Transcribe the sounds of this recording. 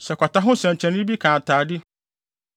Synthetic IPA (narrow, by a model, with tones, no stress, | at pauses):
sɛ˨kʷʰa˨ta˦ɦʊ̃˦sɛ̃˨ɲ˨t͡ɕʰɛ̃˨nɪ̃˦bi˦kʰãː˨tʰaː˨dɪ˦